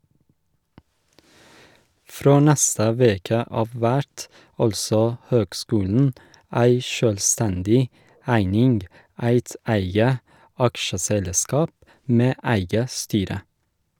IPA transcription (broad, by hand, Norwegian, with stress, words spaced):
ˈfɾoː ˈnɛstə ˈʋeːkə ˈɑːʋ ˈʋæʈ ˈɑlsɔ ˈhøːɡˌskʉːln̩ ˈæɪ ˈʃøːlˌstɛndɪ ˈæɪnɪnɡ ˈæɪt ˈæɪɡə ˈɑkʃəˌsɛlˌskɑːp ˈmeː ə ˈæɪɡə ˈstyːɾə